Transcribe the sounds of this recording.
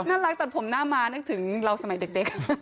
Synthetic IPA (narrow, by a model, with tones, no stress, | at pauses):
naː˥˩ɾa˦˥k̚t̪ɛ˨˩pʰo˩˦mnaː˥˩maː˧na˦˥k̚t̪ʰɯ˩˦ŋɾa˧wsa˧ma˨˩˦jde˨˩k̚de˨˩k̚